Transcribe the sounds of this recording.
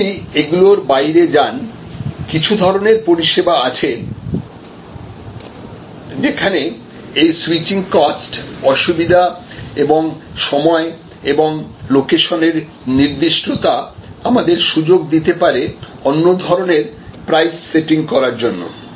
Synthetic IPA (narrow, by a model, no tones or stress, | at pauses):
jeɡuloɾbajɾed͡ʑan | kit͡ɕʰud̪ʱɔɾoneɾpoɾiʃebaat͡ɕʰe | d͡ʑekʰane | ejsuwit͡ɕiŋkɔsʈɔʃubid̪ʱa | eboŋʃɔmɔe | eboŋlokeʃoneɾ | niɾd̪iʃʈot̪aamad̪eɾʃud͡ʑoɡd̪it̪epaɾe | onːod̪ʱɔɾoneɾpɾajsːeʈiŋkɔɾaɾd͡ʑonːo̰